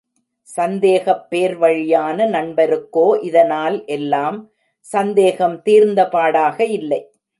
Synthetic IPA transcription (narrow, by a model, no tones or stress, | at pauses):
sɐnd̪eːɣɐpːeːɾʋɐɻɪjaːnɐnɐɳbɐɾɯkːoːʔɪðɐnaːlʔɛlːaːm | sɐnd̪eːɣɐmt̪iːɾnd̪ɐpaːɽaːɣɐɪlːɐɪ